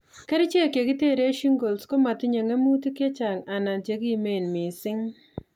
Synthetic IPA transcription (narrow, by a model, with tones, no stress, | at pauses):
ke˦ɾi˦t͡ʃe˦˨kje˨ki˦te˦ɾe˦ʃi˦ŋɡo˨lsko˦ma˨tɪ˦ɲe˨ŋe˦mu˦ti˦ke˦t͡ʃa˨ŋa˨na˨nt͡ʃe˨˦ki˦me˦˨nmɪ˨sɪ˦ŋ